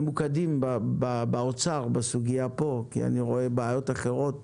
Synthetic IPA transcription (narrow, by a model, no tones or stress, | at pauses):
mukadimbababaot͡saʁbesuɡijapo̞kḭa̰niʁo̞e̞beːjo̞taχe̞ʁo̞t̪